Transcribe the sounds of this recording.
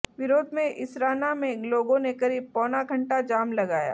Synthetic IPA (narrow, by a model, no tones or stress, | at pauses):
ʋɪɾoːd̪ʱmẽʔɪsɾaːnamẽloːɡõnekɐɾiːb̚pɔːnaɡʱɐ̃ɳʈad͡ʒaːmlɐɡaːja̰ː